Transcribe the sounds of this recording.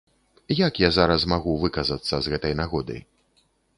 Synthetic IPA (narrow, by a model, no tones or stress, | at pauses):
jakjazaɾɐs̬maɣuvɨkɐzɐt̪sːɐzɣɛt̪ɐjnaɣɔd̪ɐ̰j